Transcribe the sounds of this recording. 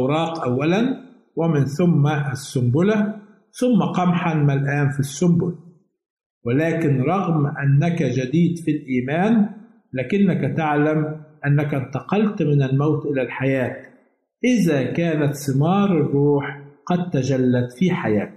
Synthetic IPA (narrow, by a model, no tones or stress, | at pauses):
ʔwɾˤɑːqʔawːalan | wɪmɪnθʊmːaʔsːʊmbʊla | θʊmːaqɑmħanmalʔaːnfisːʊmbʊl | wɪlaːkɪnɾˤɑɣmʔanːakad͡ʒad̪iːd̪filʔiːmaːn | laːkɪnːakat̪aʕlamʔanːaknt̪ɑqɑlt̪mɪnalmawt̪ʔɪlalħajaːt̪ | ʔɪðakaːnat̪sˤɨmɑːɾˤɨrˤːuːħqɑd̪̚t̪ad͡ʒalːad̪fiħajaːt̪